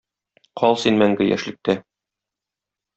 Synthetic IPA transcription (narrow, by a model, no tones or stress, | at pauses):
qʰɒlˠsinmæŋɡɘjæ̰ʃlɘ̆k̚t̪æ